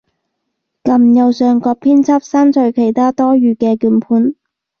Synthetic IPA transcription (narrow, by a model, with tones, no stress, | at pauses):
kɐ˨mjɐ˨˧wsœː˨ŋkɔː˧k̚pʰiː˥nt͡sʰɐ˥p̚saː˥nt͡sʰɵ˨˧ɥkʰe˨˩jt̪ʰaː˥t̪ɔː˥ɥyː˨˧kɛː˧kyː˨˧npʰuː˨˥n